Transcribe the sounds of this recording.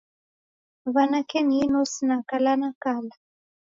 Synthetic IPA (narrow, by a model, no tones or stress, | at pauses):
βanakeninusnakalanakala